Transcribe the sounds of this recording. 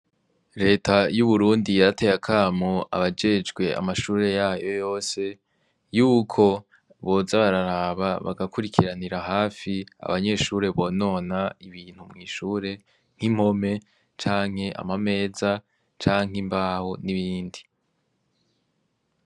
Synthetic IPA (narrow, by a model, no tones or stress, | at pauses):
ɾe̞ːtʰajuβuɾuːndijaɾate̞jakʰaːmoʔa̰βad͡ʒe̞d͡ʒɡwe̞a̰maʃuːɾe̞jaːjo̞jo̞ːse̞ | juːkʰo̞ | βo̞ːzaβaɾaɾaβaβa̰ɡakuɾikʰiɾaniɾaɦaːfia̰βaɲe̞ːʃuːɾe̞βo̞ːno̞ːnaiβiːn̥humŋiːʃuːɾe̞ | ŋ̥him̥ho̞me̞ | t͡ʃaːŋ̥he̞ʔa̰mame̞ːza | t͡ʃaːŋ̥imbaːhoniβiːndi